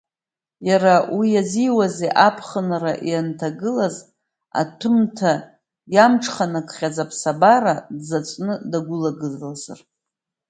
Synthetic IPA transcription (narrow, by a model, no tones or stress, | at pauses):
jaɾawijaziwazeʔapʰχənaɾaʔiantʰaɡɨlaz | a̰tʰɨmtʰa | jamʈ͡ʂʰχanakʰʼχʲad͡zapʰsabaɾadzat͡sʷʼnɨdaɡʷʊlaɡɨzlaza̰r